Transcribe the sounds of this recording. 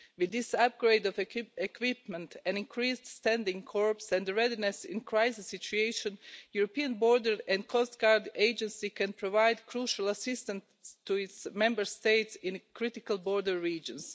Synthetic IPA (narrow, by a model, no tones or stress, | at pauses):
wɪd̪ːɪsap̚ɡ̥ɾeɪdɔvɛɛkʰwɪp̚mɛ̃nt̪ɛ̃nĩŋkʰɾiːsdst̪æ̃ndɪ̃ŋkʰɔɹpsɛ̃ndɹɛdinɛsɪ̰̃nkɹaɪsɪsit͡ʃuejʃə̃njuɾopiãnboɹdəɹɛ̃ndkʰɔst̪ɡ̥aɹdeɪd͡ʒɛ̃nsikɛ̃npʰɾoʋaɪd̪kʰɾuːʃalˠasɪst̪ə̃n | st̪uɪtsmɛ̃mbəɹst̪eɪtsɪ̃nkɾɪt̪ɪkalˠbɔɹdəɹːiːd͡ʒə̃ns